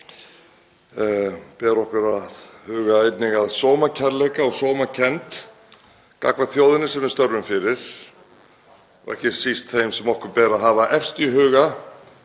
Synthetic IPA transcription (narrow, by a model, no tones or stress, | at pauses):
pɛːɾɔhkʏɾaðhʏːɣaejt̪nɪɣaðsoːwmacʰaɾlɛjkaɔɣsoːwmacʰɛnt̪ | ka̰kvaθjoːwðɪnɪsɛmɛɾ̥st̪œɾvʏmfɪɾɪɾ̥ | ɔ̰ɣɛ̰hcɪsist̪θejmsɛmɔhkʏɾpɛːɾaɦaːvaʔɛfst̪iɦʏːɣa